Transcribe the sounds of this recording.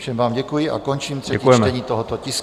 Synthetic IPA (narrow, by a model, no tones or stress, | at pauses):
fʃɛmvaːmɟɛkujɪʔa̰kont͡ʃiːmrɾ̥ɛɛijɛmɛɲiːt̪oɦot̪ocɪs